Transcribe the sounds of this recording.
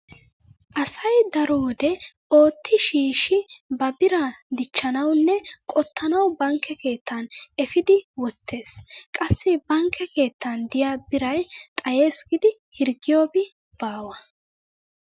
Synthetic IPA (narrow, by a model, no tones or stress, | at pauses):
ʔɐsɐjd̪ɐɾoːd̪ɛ | o̞ːt̪ʰːɪʃiːʃɪbɐbɪɾɐd̪ɪt͡ʃːɐnɐwnːɛkʼɔt̪ːɐnɐwbɐŋkːɛke̞ːt̪ʰːɐnɛfɪd̪ɪwɔt̪ʰːe̞ːskʼɐsːɪbɐŋkʰːɛke̞ːt̪ːɐnd̪ɪjaːbɪɾɐjt̪ʼɐjeːsɡɪd̪ɪ | hɪɾɡɪjoːbɪ | b̥aːwɐ